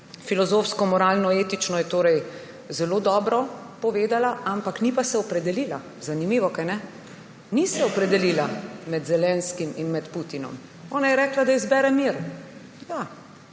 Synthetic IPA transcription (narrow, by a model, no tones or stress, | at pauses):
filɔzoːfskɔmɔɾalnɔeːt̪it͡ʃnɔjɛt̪oːɾɛj | zɛloːd̪ɔːbɾɔpɔʋeːd̪alaʔampaknipasɛɔpɾɛd̪ɛliːla | zanimiːʋɔkajnɛ | nisɛɔpɾɛd̪ɛliːlamɛd̪zɛlɛnskiminmɛt̪put̪inɔ̰m | ɔːnajɛɾɛːklad̪aizbɛːɾɛmiɾjaː